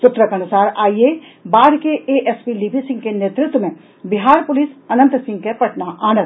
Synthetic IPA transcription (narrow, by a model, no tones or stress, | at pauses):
sʊt̪ɾəkɐnʊsaːɾaːie | baːɾkeeʔɛspilibʱisɪ̃ŋɡkeneːt̪ɾɪt̪wəmẽ | bɪɦaːɾpʊlisɐnə̃nt̪sɪ̃ŋɡ̚kepɐʈnaʔaːnə